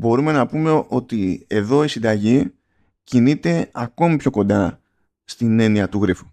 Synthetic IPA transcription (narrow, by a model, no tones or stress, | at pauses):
bo̞ɾume̞nɐpume̞ʔo̞t̪ie̞ðo̞isind̪ɐʝi | cinit̪e̞ɐko̞mipço̞ko̞nd̪ɐ | st̪ine̞niɐt̪uɣɾifu̥